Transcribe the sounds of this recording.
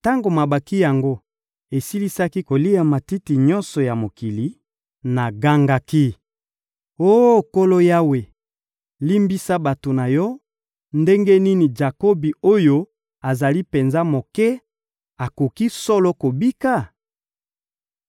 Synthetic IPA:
ta˦ŋɡo˨ma˨ba˨ki˦ja˨ŋɡo˦ | e˨si˦li˦sa˦ki˦ko˨li˦a˨ma˨ti˦ti˨ɲɔ˦nsɔ˨ja˨mo˨ki˨li˦ | na˨ɡa˦ŋɡa˦ki˦ | o˦˨ko˦lo˦ja˦we˨ | li˦mbi˦sa˦ba˨to˨na˨jɔ˦ | nde˦ŋɡe˦ni˦ni˨d͡ʒa˨ko˦bi˨o˦jo˦ | a˨za˨li˦pe˨nza˦mo˨kɛ˦ | a˨ko˨ki˦sɔ˦lo˦ko˨bi˦ka˦˨

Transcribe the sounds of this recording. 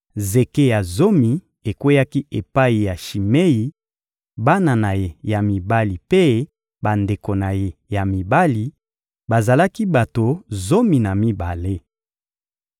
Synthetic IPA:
ze˨ke˦ja˨zo˦mi˨ | e˨kwe˦ja˦ki˦ʔe˨pa˦i˨ja˨ʃi˨me˦ji˨ | ba˦na˨na˨je˨ja˨mi˨ba˦li˨pe˦ | ba˨nde˨ko˨na˨je˨ja˨mi˨ba˦li˨ | ba˨za˨la˦ki˦ba˨to˨zo˦mi˨na˨mi˦ba˨le˦

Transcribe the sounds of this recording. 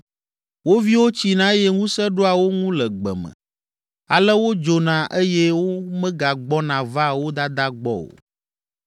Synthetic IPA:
wo˦vi˦wo˦t͡ɕi˨nã˦jɛ˦ŋũ˦sɛ˦ɖo˦a˨wo˦ŋũ˦lɛ˨ɡ͡bɛ̰˨mə̰̃˨ | a˨lɛ˦wo˦d͡ʒo˨nã˨ʔe˦jɛ˦wo˦mɛ̃˦ɡa˨ɡ͡bɔ˦nã˨va˦wo˦d̪a˦d̪a˦ɡ͡bɔ̰˦o̰˨

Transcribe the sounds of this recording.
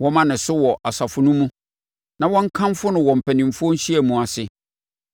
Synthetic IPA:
wɔ̃˦mã˦nɪ̃˨sʊ˦wɔ˨ʔa˨sa˨fʊ˦nʊ̃˦mũ˦ | nã˨wɔ̃˦ŋ˦kʰã˦m˦fʊ˦nʊ̃˨wɔ̃˨m̩˨pʰæ˨nĩ˨m˨fʊ˦ɔ˦n̩˦ɕi˦æ˨mũ˨a˨sɪ˨

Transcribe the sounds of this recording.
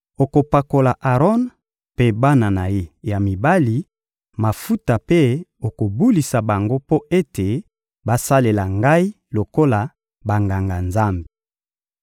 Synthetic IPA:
o˨ko˨pa˨ko˨la˨ʔa˨ʁɔ˦n | pe˦ba˦na˨na˨je˦ja˨mi˨ba˦li˨ | ma˨fu˦ta˨pe˦o˨ko˨bu˦li˨sa˨ba˨ŋɡo˦po˦e˦te˨ | ba˦sa˦le˨la˨ŋɡa˦i˦ | lo˨ko˦la˨ | ba˨ŋɡa˨ŋɡa˨nza˦mbe˨

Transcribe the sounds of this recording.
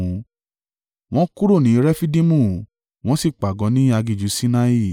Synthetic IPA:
w̃ɔ̃˦ku˦ɾo˦˨nĩ˨˦ɾɛ˦fi˦di˦mũ˦˨ | w̃ɔ̃˦si˦˨k͡pa˨ɡɔ̃˨˦nĩ˦a˧ɡi˨d͡ʒu˨˦si˦na˦i˦˨

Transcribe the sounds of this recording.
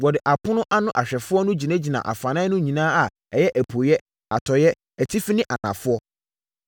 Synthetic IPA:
wɔ˨dɪ˨ʔa˨pʰʊ̃˦nʊ̃˦ʔa˦nʊ̃˦ʔa˨ɕᶣɛ˨fʊ˦ɔ˦nʊ̃˦d͡ʑi˨nã˦d͡ʑi˨nã̰˨ʔa̰˨fã˨nã˦nʊ̃˦ɲĩ˨nãː˦a˨ | ɛ˨jɛ˦ʔæ˨pʰo˨jɛ˦ | a˨tʰɔ˨jɛ˦ | æ˨tʰi˦fi˦nɪ̃˦ʔa˨nã̰˨fʊ˦ɔ˦

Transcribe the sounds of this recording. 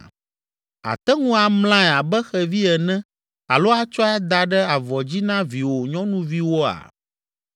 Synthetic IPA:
a̰˨t̪ɛ˦ŋũ˦a˨ml̃ã˦ɛ˨a˨bɛ˦xɛ˨vi˦ɛ˨nɛ̃˦ | a̰˨lo˦a˦t͡ʃɔ˦a˦d̪a˨ɖɛ˦a˨vɔ˨d͡ʑi˦nã˦vi˨wo˨ɲɔ̃˦nũ˦vi˦wo˦a̰˨

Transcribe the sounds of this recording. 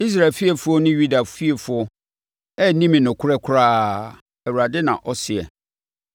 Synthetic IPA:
i˦s̬ɾa˨fi˦ɛ˨fʊ˦ɔ˦nʊ̃˦ju˦da˨fi˦e˨fʊ˦ɔ˦ | ɛ˦nĩ˦mɪ̃˨nʊ̃˨kʰʊ˦ɾɛ˦kʰʊ˦ɾaː˦ | æ˨wu˨ɾa˨dɪ˦nã̰˨ʔɔ˦sɪ˨ɛ̰˨

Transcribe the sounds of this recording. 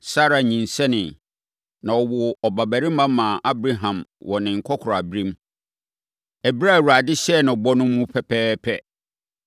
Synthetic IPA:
sa˦ɾa˨ɲĩ˨n˨sɛ˦nɪ̃˨ | nã˨ɔ˨wʊ˨ɔ˨ba˨bæ˨ɾi˦mã˦mã˨ʔa˦bɾa˦ɦã˨mwʔɔ˨nɪ̃˨ŋ̩˨kʰɔ˦kʰɾa˨bi˦ɾĩ˦m | æ˨bi˦ɾa˦˨wu˨ɾa˨dɪ˦ɕɛ˦˨nã˨bɔ˦nʊ̃˦mː˦ũ˦pʰɛ˦pʰɛː˦pʰɛ˦

